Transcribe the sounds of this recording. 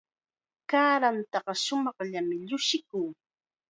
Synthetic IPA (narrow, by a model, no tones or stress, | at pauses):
kaːɾant̪ɑɢɑʃʊmɑχʎamɪʎʊʃɪkuː